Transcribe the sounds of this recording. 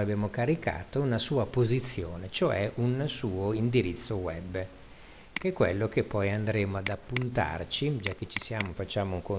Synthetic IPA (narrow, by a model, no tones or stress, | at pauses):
abjaːmokaɾika̰ːt̪ounasuːapozit̪sːjoːnet͡ʃoɛ̰ʔunsuːoind̪iɾit̪sːowɛbː | kɛkːwḛlːokepːɔjand̪ɾeːmoad̪apːunt̪a̰rt͡ʃid͡ʒak̟ːet͡ʃisjaːmofat͡ʃːaːmouŋko